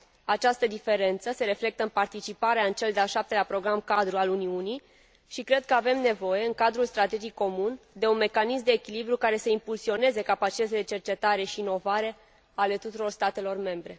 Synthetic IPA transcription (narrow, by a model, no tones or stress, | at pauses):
at͡ʃast̪əd̪ife̞ɾe̞nt̪səse̞ɾe̞fle̞k̚t̪əɨnpart̪it͡ʃipaɾeaɨnt͡ʃe̞ld̪eaʃap̚t̪elapɾo̞ɡɾamkad̪ɾualuniuni | ʃikɾe̞d̪̚kəave̞mne̞vo̞je̞ɨŋkad̪ɾulst̪ɾat̪e̞d͡ʒikko̞mund̪e̞unme̞kanismd̪e̞ːkʲilibɾukaɾe̞səimpulsio̞ne̞ze̞kapat͡ʃit̪ət̪ʲd̪e̞t͡ʃe̞rt͡ʃe̞t̪aɾeʃiːno̞vaɾe̞ | ale̞t̪ut̪uɾo̞rst̪at̪e̞lo̞rme̞mbɾe̞